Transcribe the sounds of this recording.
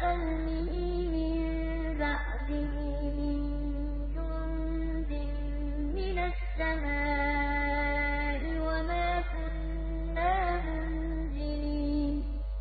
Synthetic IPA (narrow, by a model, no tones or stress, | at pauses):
an | mɪhiː | mɪn | bɑʔd̪ɪɦ | mɪn | tʊ | n | zɪm | mɪnasːamaː | ʔɪwamaːkʊnː | aː | ɦʊn | d͡ʒɪniː | n